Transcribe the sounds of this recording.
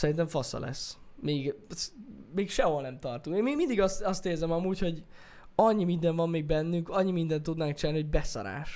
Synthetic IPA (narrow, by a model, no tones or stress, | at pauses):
sɛɾint̪̬ɛɱfɒsɒ̰lɛ̰sːmeːɡ | meːkʃɛɦolnɛmt̪ɒrt̪uŋkeːnmimind̪iɡɒst̪ɒst̪eːrzɛmɒmuːcho̞ɟ | ɒɲːimind̪ɛɱvɒmːeːɡ̚bɛnːyŋkɒɲːimind̪ɛnt̪ːud̪naːŋk̚t͡ʃilalniho̞ɟbɛsɒ̰ɾa̰ːʃ